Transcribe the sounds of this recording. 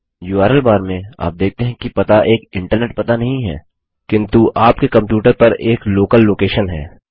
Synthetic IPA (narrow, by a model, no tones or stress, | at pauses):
juːaːɾəlbaːɾmẽa̰ːp̚d̪eːk̚t̪eɦɛ̃kipɐt̪aʔeːkɪ̃ɳʈəɾneːʈ̚pɐt̪anɐɦĩɦɛ̰ː | kɪ̃nt̪uʔaːpkekɐ̃mpjuːʈəɾpɐɾeːkloːkəlːoːkeːʃənɦɛ̰ː